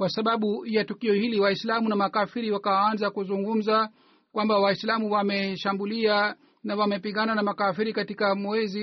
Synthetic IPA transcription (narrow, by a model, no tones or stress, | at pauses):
kwasaɓaɓujatukiɔhiliwaislamunamakafiɾiwakawanzakuzuŋɡum̩za | kwambawaislamuwamɛʃambulia | nawamɛpiŋɡananamakafiɾikatikamwɛzi